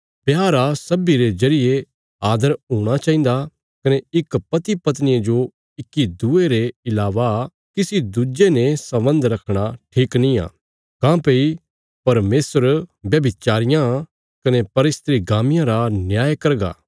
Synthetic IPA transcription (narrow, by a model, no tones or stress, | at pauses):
pjaːɾasɐbiɾed͡ʒɐɾɪje | aːd̪əɾɦuːɽ̃at͡ʃaːĩnd̪a | kɐneɪkpɐt̪ipɐt̪̬nɪjed͡ʒo | ɪkːid̪uːeɾeɪlaːʋa | kisid̪ud͡ʒenesɐbə̃nd̪ɾɐkʰɽ̃aʈʰiːknĩa̰ː | kãːpei | pɐɾmeːsəɾbjɐbɪt͡ʃaːɾɪjã | kɐnepɐɾɪst̪ɾiɡaːmɪjãɾanjaːjkɐɾɡa̰ː